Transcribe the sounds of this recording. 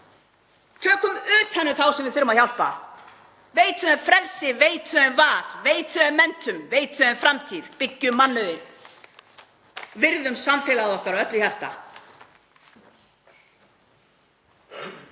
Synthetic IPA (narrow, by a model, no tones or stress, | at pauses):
t̪ʰœːkʏmʏːt̪hɛnːʏθawsɛmvɪðθʏɾːʏmaðhçawl̥pa̰ | veːjt̪ʏɛfɾɛlsɪveːjt̪ʰʏɛnvaːðveːjt̪ʏɛmːɛnt̪ʏmveːjt̪ʰʏɛnfɾamt̪ʰiðpɪcːʏmːanːʏðɪn | vɪɾðʏmsamfɪlaðɔhkaɾɔœt̪lʏçar̥t̪a̰